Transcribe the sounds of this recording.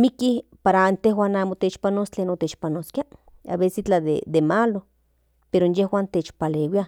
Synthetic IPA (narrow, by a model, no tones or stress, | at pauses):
mikipaɾaant̪ehwaːnaːmot̪et͡ʃpanoːst͡ɬeːnot̪et͡ʃpanoskiaa̰βesit͡ɬad̪ḛd̪emalo | peɾonjehwaːnt̪eːt͡ʃpalewia